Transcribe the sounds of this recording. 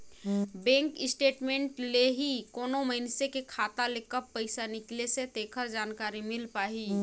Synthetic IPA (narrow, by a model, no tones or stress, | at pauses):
bɛ̃ːŋkɪsʈeːʈmẽːɳʈleɦikoːnoməɦɪnsekekʰaːt̪alekəpːəɪsanɪkleset̪eːkʰəɾd͡ʒaːnkaːɾimɪlpaːɦiː